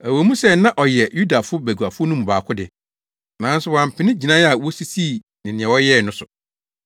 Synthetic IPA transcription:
æ˨wo˨mũ˦sɛ˦nã˦ʔɔ˨jɛ˨ju˦da˨fʊ˦bæ˨ɡu˨a˨fʊ˦nũ˦m̃˨ba̰ː˨kʰʊ˦dɪ˨ | nã˨˦n˦sʊ˦wã˨m̩˨pʰɪ˨nɪ̃˦d͡ʑi˨nã˦a˨wɔ˦si˦siː˦˨ | nɪ̃˨nɪ̃˨ɛ̃˨wɔ˦jɛ˦˨nʊ̃˦sʊ˨

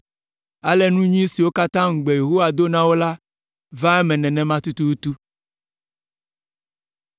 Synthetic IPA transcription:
a˨lɛ˦nũ˦ɲĩ˦si˨wo˦ka˦t̪ã˦ŋ̩˨ɡ͡be˨je˨ɦo˦wa˨d̪o˦nã˦wo˦la˦ | vã˦ɛ˦mɛ̃˨nɛ̃˨nɛ̃˨mã˦t̪u˦t̪u˦wu˦t̪u˦

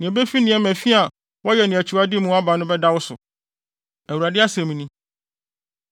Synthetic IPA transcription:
nɪ̃˨ɛ˨be˦fi˦nɪ̃˨˦ɛ˦mæ̃˨fi˦a˨ | wɔ˦jɛ˨nɪ̃˨æ˨t͡ɕʰu˨a˦dɪ˦mũ˦a˦ba˨nʊ̃˦bɛ˦da˦wʊ˦sʊ̰˨ | æ˨wu˨ɾa˨dɪ˦a˦sɛ̃˨mĩ˨nĩ˦

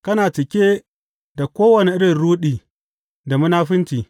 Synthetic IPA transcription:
kɐ˦naː˨t͡ʃɪ˨kʲeː˦ | da˨kʷoː˦wɐ˨ni˦ʔɪ˦ɽɪ˨nɽuː˦ɗiː˨ | da˨mʊ˦naː˦ɸɪ˦ntiː˨

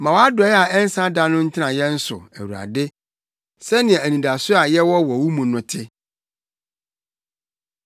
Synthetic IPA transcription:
mã˨wa˦dɔ˨˦ɛ˦a˨ɛ˦n̩˦sã˦da˦nʊ̃˦n̩˦tʰɪ˦nã˨jɛ˦n̩˦sʊ̰˨æ̰˨wu˨ɾa̰˨dɪ˦ | sɛ˦nɪ̃˨ɛ̃˨æ˨nĩ˨da˨sʊ˦a˨jɛ˦wɔ˦wɔ˨wu˦mũ˨nʊ̃˨tʰɪ˦

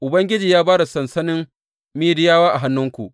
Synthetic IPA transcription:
ʔʊ˨bɐ˦ŋɡʲɪ˦d͡ʒiː˨jaː˦baː˦da˨sɐ˨nsɐ˦nɪ˦m | miː˦dɪ˦jaː˦waː˦ʔa˨ɦa˦nːʊ˦ŋkʷṵ˨ʔ

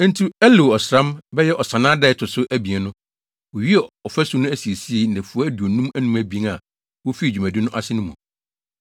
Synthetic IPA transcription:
n̩˦tʰu˦æ˦le˨ɔ˨sɾã˦mbɛ˦jɛ˦ʔɔ˨sã˨nãː˦dɛ˦ɪ˨tʰʊ˨sʊ˦ʔæ˦bi˨ɛ˨nʊ̃˦ | ɔ˨ɥi˦ɛ˨ɔ˨fæ˦sʊ˨˦nʊ̃˦æ˦si˨e˨si˦e˦˨n̩˨nɛ̃˨fu˨˦ɔ˦æ˦du˨o˨nũ˦mæ˦nũ˦mæ˨bĩ˦ŋa˨ | wo˦fi˦˨d͡ʑᶣu˨mæ̃˨di˦nʊ̃˦ʔa˦sɪ˦nʊ̃˦mũ˨

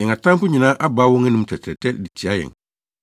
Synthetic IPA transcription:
ɛ̃˨a˨tʰã˦mfʊ˦ɲĩ˨nãː˦ʔa˦baː˦wɔ̃˦ŋɛ˦nũ˨m˦tʰɛ˨tʰɛ˨tʰɛ˦di˨tʰi˨a˦jɛ̰̃˨ŋ

